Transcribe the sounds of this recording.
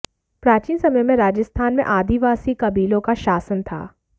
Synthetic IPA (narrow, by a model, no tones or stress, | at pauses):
pɾaːt͡ʃiːnsɐməjmẽɾaːd͡ʒəst̪ʰaːnmḛ̃ʔaːd̪iʋaːsikɐbiːlõkaʃaːsənt̪ʰa̰ː